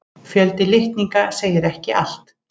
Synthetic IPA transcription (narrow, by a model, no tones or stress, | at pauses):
fjœlt̪ɪlɪht̪niŋkaseːjɪɾɛhcɪʔa̰l̥t̪